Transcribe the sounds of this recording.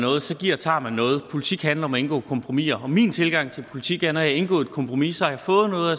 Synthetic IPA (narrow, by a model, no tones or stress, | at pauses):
nɔ̽ːð̩ˠsɒ̽ɡ̥iɐ̰t͡sʰɑ̰̈ːmænɔ̽ːð̞̩ˠpʰo̝lit͡sʰiɡ̥hænlɐɒ̽mɒe̝nɡ̥ɔ̰̽ːkʰɒ̽mpʰʁomḭːɐɒ̽miːnt͡sʰe̝lɡ̥ɑ̈ŋ̰t͡sʰe̝lpʰo̝lit͡sʰiɡ̥æɐnɒjɑ̈e̝nɡ̥ɔ̰ːed̥kʰɒ̽mpʰʁo̝misɒæjɑ̈fɔ̽ːð̩ˠnɔ̽ːð̩ˠæ